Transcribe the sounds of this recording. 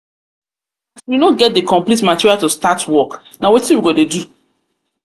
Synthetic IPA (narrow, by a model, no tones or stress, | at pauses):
aswinoɡɛt̚dekɔ̃mplitmatiɹialtustatwɔk | nawɔtĩwiɡodedu